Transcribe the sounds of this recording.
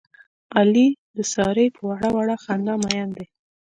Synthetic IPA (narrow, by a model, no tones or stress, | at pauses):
ɑlid̪əsɑɾəjpʰəwaɽawaɽaxand̪ɑmajand̪e